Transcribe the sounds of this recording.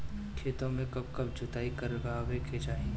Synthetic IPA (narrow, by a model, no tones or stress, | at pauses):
kʰeːt̪õmẽkɐb̚kɐb̚d͡ʒʊt̪aːikɐɾɡaːʋekʰed͡ʒaːẽ